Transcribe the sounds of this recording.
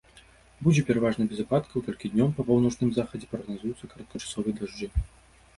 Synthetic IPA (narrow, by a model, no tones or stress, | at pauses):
bud͡zʲɛpʲɛɾavaʐnɐbʲɛzapat̪kɐwt̪ɔlʲkʲid̪ʲnʲɔmpɐpɐwnɔt͡ʂnɨmzaxɐd͡zʲɛpɾɐɣnazujut̪sːɐkɐɾɐt̪̚kɐt͡ʂḁsɔvɨjd̪aʐd͡ʐɨ